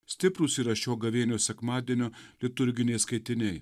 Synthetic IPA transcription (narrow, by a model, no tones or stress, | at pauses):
sʲt̪ʲɪpɾʊsiːɾɐʃʲoːɡɐʋʲeːnʲoːsʲɛkmɑːd̪ʲiɛnʲoːlʲɪt̪ʊɾʲɡʲɪnʲɛɪskɐɪt̪ʲɪnʲɛɪ